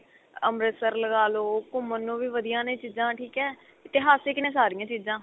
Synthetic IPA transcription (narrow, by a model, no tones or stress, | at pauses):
əmɾəsəɾləɡaːloːkʊmənːõːʋiːʋəd̪ijãːnẽːt͡ʃiːzãːʈʰiːkɛː | ɪt̪ɪɦaːseːkɪnẽːsaːɾijãːt͡ʃiːzãː